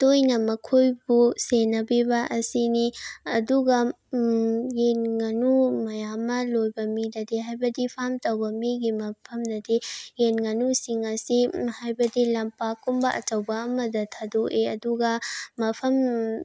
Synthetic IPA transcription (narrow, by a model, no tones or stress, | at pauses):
tojnɐmɐkʰojbusenɐbibɐʔɐsiniɐduɡɐ | jenŋɐnumɐjamːɐlojbɐmidɐdeɦajbɐdipʰamtɐwbɐmiɡimɐpʰɐmdɐdejenŋɐnusiŋɐsihajbɐdilɐmpakumbɐʔɐ̰t͡ʃɐwbɐɐmɐdɐtʰadoʔeɐduɡɐmɐpʰɐm